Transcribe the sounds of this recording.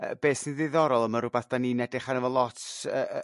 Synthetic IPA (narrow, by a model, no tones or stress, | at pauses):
ə̰beːsinðɪðɔɾɔlˠəməɾʊbaθd̥aninɛdɪχanəvɔlˠɔtʰə